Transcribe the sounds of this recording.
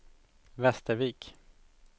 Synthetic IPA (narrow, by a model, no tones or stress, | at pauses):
vɛst̪əɾviːk